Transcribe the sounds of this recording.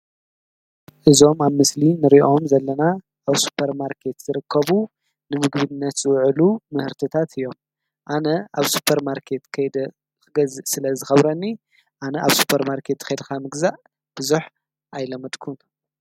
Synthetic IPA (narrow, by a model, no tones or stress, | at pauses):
ʔɨzo̞maβmɨslinɨɾiʔo̞mzɐlːɐna | aβsu̥pʰːɐɾmaɾkʰe̞t̪z̥ɨɾɨkʰːɐβu | nɨmɨɡβinːɐt̪zɨwʕlumɨhɨɾt̪ʰɐt̪ʰat̪ʰɨjːo̞m | ʔanɐaβsu̥pʰːɐɾmaɾkʰe̞t̪kʰɐjd̪ɐ | ɡɐzɨsɨlɐzɨxɐβɾɐnːi | ʔanɐʔaβsu̥pʰɐɾmaɾkʰe̞t̪ːxɐjd̪ɨkʰamɨɡzaʔ | b̥ɨzuħ | ʔajlɐmːɐd̪kʰun